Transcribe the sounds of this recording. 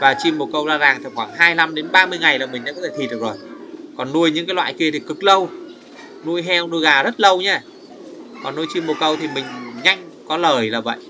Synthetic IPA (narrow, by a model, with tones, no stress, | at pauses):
vaː˨˩t͡ɕi˧mːo˨˩t̚kə˧wzaː˧zaː˨˩ŋt̪ʰi˨˩xwaː˧˩ŋɦaː˧jla˧mɗe˨˦nɓaː˧mɨ˧əjŋa˨˩jlaː˨˩mï˨˩ŋ̟ɗa̰˧˥kɔ˧˦t̪ʰːt̪ʰi˨t̚ɗɨ˨˩kzo˨˩jkɔ˨˩nːu˧əjɲɨ̰˧˥ŋkaː˨˦jlwa̰ː˧˨jki˧ət̪ʰi˨˩kɨ˨˩k̚lə˧w | nu˧əjɦɛ˧wnu˧əjɣaː˨˩zə˦˥t̚lə˧wɲaː˧ | kɔ˨˩nːu˧jt͡ɕi˧mːo˨˩t̚kə˧wt̪ʰi˨˩mï˨˩ŋ̟ɲa˧jŋ̟ | kɔ˨˦ləː˨˩jlaː˨˩və̰˧˨jʔ